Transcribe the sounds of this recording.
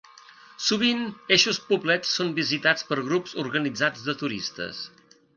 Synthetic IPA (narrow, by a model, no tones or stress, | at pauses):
suβ̞ineʃuspublɛt͡sːombizit̪at͡spəɾɣɾupzuɾɣənid͡zad͡zðət̪uɾist̪ə̰s